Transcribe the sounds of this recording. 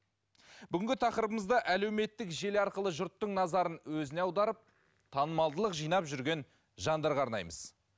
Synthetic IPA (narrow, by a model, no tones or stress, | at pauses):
b̥ʏɡʲɪŋʲɡʲɪt̪ʰɑqəɾəbəməzd̪ɑʔæle̞wme̞t̪ːɪkʒe̞lɑɾqəlˠəʒʊɾt̪ːəɴnɑzɑɾənwɵzɪneɑwd̪ɑɾəp̚ | t̪ʰɑnəmɑlˠd̪əlˠəqʒijnɑpʒʏɾɡʲe̞n | ʒɑnd̪ɑɾʁɑːɾnɑ̰jməz̥